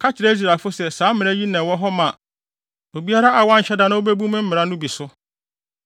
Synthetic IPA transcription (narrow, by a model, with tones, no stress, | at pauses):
kʰa˦t͡ɕʰɪ˨ɾe˦i˦s̬ɾa˨fʊ˦sɛ˨sãː˨˦mɪ̃˨ɾ̃æ˦ji˦nɛ̃˨wɔ˦ɦɔ˦mã˨ | o˨bi˦a˦ɾa˦a˨wã˦ɲ̩˨ɕɛ˦dã˨˦nã˦wo˦be˦bũ˦mɪ̃˦m̩˦mɪ̃˨ɾa˦nʊ̃˦bi˨sʊ˦